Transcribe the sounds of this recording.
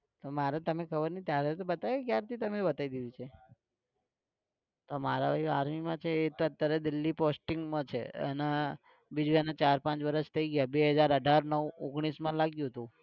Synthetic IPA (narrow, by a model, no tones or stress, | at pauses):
t̪omaɾet̪əmekʰəbəɾnit̪jaɾet̪obət̪ajkjaɾt̪ʰit̪əmebət̪aid̪id̪it͡ʃʰe | t̪omaɾabʱaiaɾmimãt͡ʃʰeːt̪oət̪jaɾed̪ilːiposʈiŋɡmãt͡ʃʰḛḛna | bid͡ʒuenat͡ʃaɾpãt͡ʃʋəɾəʃt̪ʰəiɡjabeɦəd͡ʒaɾəɖʱaɾnəʋoɡɽ̃ismãlaɡjũɦt̪ũ